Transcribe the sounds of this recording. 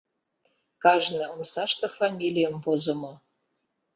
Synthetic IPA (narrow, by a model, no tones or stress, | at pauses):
kɑʒnĕomsɑʃt̪ɤ̆fɑmʲilʲijəmpozə̆mɤ̆